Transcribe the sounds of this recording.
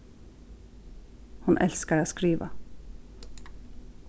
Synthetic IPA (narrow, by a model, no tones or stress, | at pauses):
hɑnʔɛlskəɾeːskɾiːʋə̰